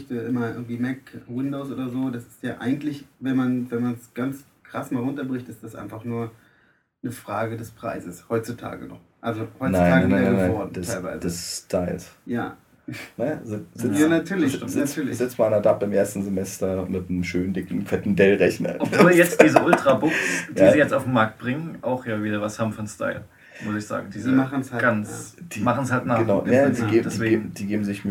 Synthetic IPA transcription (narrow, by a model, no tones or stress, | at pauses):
ɪçtaʔɪmɐʔɪ̰ːɡŋ̩tv̥iːmɛkwɪndoːsʔo̰ːdɐzoːdasɪ̥stjaːʔa̰ɪɡŋ̩tlɪçvɛnmanvɛnmansɡ̥ant͡s | kʁ̥asmaːlʁʊntɐbʁɪçtɪstd̥asʔa̰ɪnfaχnuːɐ | nəfʁ̥aːɡədɛspʁ̥a̰ɪzəshɔʏt͡sutʰa̰ːɡə̰nɔ̰χ | ʔalzohɔʏnaɪɪnaːaananaɪɔɐd̥ɛsʰaɪlva̰ɪzədɛstʰaɪlsja̰ː | nɐjazɪz̥ɪanatʰyːɐlçz̥ɪt͡sːɐlzɪt͡smaɪnɐdapɪmʔeːɐstn̩zemɛstɐmɪtnəmʃøːnəndɪkŋ̩fɛtn̩dɛlʁɛçnɐ̰ɔpvoːljɛt͡sd̥iːzəʔʊltʁ̥abʊksdj̥aːziːjɛt͡staʊfm̩maɐk̚t̚b̥ʁɪŋənʔaʊxjaːviːdɾɐvashaːbm̩fɔnstʰa̰ɪl | mʊsɪçz̥a̰ːɡŋ̩dizmn̩sɡ̥ant͡sd̥iːmaχn̩shaltnaːɡənaʊnadiːɡeːbdieːd̥iːɡeːbm̩zɪçm